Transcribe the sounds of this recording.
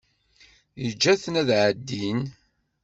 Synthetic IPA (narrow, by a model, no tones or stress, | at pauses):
jəd͡ʒːæθnæðʕəd̪ːin